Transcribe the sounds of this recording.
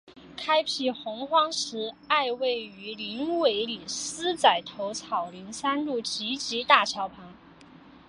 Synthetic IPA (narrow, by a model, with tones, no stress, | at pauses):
kʰa˥ɪpʰi˥˩xʊ˧˥ŋxwɑ˥ŋʂɻ̩˧˥a˥˧ɪwe˥˩ɪy˧˥li˧˥nwe˧˥ɪli˨˩sɹ̩˥t͡sa˨˩ɪt̪ʰo˧˥ʊt͡sʰɑ˨˩ʊli˧˥ŋsa˥nlu˥˩t͡ɕi˧˥t͡ɕi˧˥t̪a˥˩t͡ɕʰjɑ˧˥ʊpʰɑ˧˥ŋ